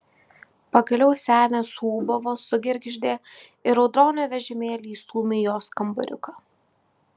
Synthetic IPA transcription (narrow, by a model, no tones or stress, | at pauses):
pɐɡɐlʲɛʊsʲæːnʲɛsuːbɐʋosʊɡʲɪɾʲɡʲʒʲd̪ʲeː | ɪɾɔʊd̪ɾoːnʲoːʋʲɛʒʲɛmʲeːlʲiːsuːmʲɪjoːskɐmbɐ̰ɾʲʊ̰kɑ